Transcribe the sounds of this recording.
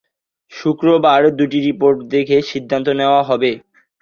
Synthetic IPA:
ʃukɾobaɾd̪uʈiɾipoɾʈd̪ekʰeʃid̪ʱːant̪oneoaɦɔbe

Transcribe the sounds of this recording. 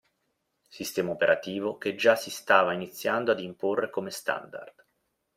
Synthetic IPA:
sist̪ɛːmaopeɾʔat̪iːvoked͡ʒasist̪aːvainit̪sːjand̪oad̪imporːʔekomest̪a̰nd̪a̰rd̪̥

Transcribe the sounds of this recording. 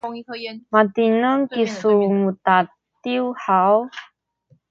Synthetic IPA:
mat̪inəŋkisumut̪a | t̪iuħaw

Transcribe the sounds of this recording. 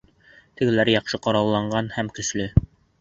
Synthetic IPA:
t̪ɘ̆ɡɘ̆læɾjɑqʃɤqɑɾɑwlˠːɑɴɢɑnhæmkɵ̆ʃlɵ

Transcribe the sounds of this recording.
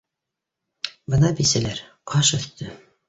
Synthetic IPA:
bɤnɑbisælæɾqʰɑʃɵ̆θt̪ɵ

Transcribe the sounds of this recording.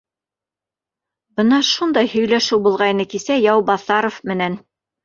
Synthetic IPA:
bɤ̆nɑʃund̪ɑjhɵ̆jlæʃɘwbulˠʁɑjnɤkisæjɑwbɑθɑɾofmɘ̆næn

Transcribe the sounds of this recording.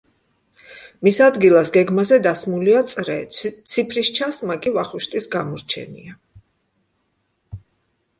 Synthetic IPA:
misad̪ɡilˠasɡɛɡmazɛd̪asmuliat̪sʼɾɛ̰t̪sʰipʰɾiʃt͡ʃʰasmakʼivaχuʃt̪ʼisɡamɔɾt͡ʃʰɛ̰nḭa

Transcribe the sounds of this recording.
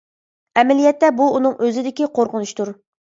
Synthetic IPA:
ɛmɛlijɛt̪ːɛbuːnɨŋʔøzɪd̪ɪkʲiqʰoɾqʊnuʃt̪uɾ

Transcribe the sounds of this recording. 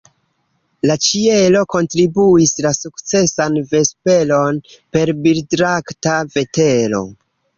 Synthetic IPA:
lat͡ʃie̞lo̞ko̞ntɾibuislasukt͡se̞sanve̞spe̞lo̞npe̞ɾbildɾaktave̞te̞lo̞̰

